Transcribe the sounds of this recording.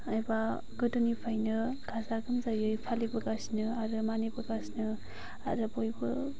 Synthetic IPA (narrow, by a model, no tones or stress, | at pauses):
ajba | ɡɯdonipʰajnɯɡʰazaɡɯmzajɯjpʰalibɯɡasnɯaɾɯmanipuɾɡasnɯ | a̰ɾɯbojbɯ